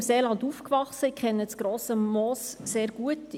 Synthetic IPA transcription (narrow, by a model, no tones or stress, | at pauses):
mseːlɑndufkvɑχsəɪkʰχɛnːət͡sɡ̥ɾoːsəmɔːsːeːɾɡ̥uət